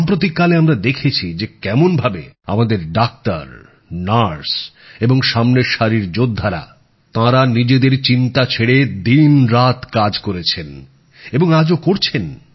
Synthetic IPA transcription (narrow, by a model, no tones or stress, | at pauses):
mpɾot̪̬ikːaleamɾad̪ekʰet͡ɕʰid͡ʑekɛmonbʱabea̰mad̪eɾɖak̚t̪a̰ɾ | naɾs | eboŋʃamneɾʃaɾiɾd͡ʑod̪ʱːaɾa̰ | t̪ãɾanid͡ʑed̪eɾt͡ɕint̪at͡ɕʰeɽed̪inɾat̪kad͡ʑkoɾet͡ɕʰen | eboŋad͡ʑokoɾt͡ɕʰen